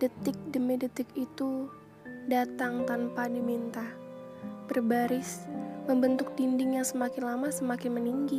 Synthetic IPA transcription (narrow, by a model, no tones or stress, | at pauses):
dət̪ɪk̚dəmedət̪ɪkit̪u | dat̪aŋt̪anpadimint̪a | b̥ərbaɾɪsməmbənt̪ʊk̚t̪indɪŋjaŋsəmakɪnlamasəmakɪnməniŋɡi